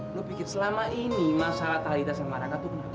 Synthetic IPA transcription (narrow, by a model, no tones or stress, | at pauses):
nʊbikɪrsəlamaʔinimasalat̪alit̪asaŋmaɾakat̪ukəna